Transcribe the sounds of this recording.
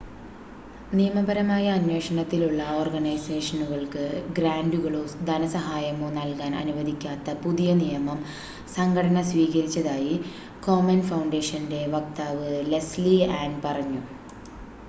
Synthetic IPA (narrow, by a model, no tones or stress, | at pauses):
nijɐmɐbɐɾɐmaːjɐːnwe̞ːʂɐɳɐt̪ːiluɭːɐoːrɡɐnɐjse̞ːʂɐnuɣɐɭkɨɡɾaːɳɖuɣɐɭoːd̪ʱɐnɐsɐɦaːjɐmoːnɐlkaːnɐ̰nuʋɐd̪ʱikʲːaːt̪ːɐpuðijɐnijɐmɐm | sɐŋɡʱɐɽɐnɐsʋiːɣɐɾit͡ɕːɐðaːji | ko̞ːmɐnfɐwɳɖeːʂɐnde̞ʋɐk̚t̪aːʋɨlesliaːnpɐrɐɲːu